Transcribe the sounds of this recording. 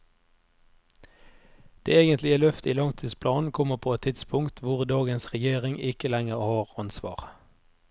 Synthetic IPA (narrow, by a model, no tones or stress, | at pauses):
d̪̥ḛːeːɡənt̪lɪəlœft̪iːlɑŋt̪ʰiːspʰlɑːn̩kʰɔməʁpʰoːɛt̪ʰːɪt̪spʰʊŋkt̪ʰʋʊʁd̪ɑːɡənsʁɛjeːʁɪŋɪkəlæŋəʁhɑːʁɑnsʋɑ̰ːʁ